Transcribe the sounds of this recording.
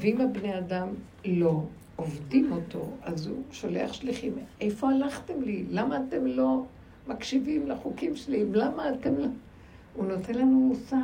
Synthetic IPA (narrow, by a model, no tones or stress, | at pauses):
veimabneadam | lo̞ | ovdimo̞tʰo̞̰azuʃoleaχʃliχimʔejfo̞alaχtemlilamaːte̞mlo̞ | makʃivimleχukimʃelimlamaːte̞mlo | uno̞tenlanmusa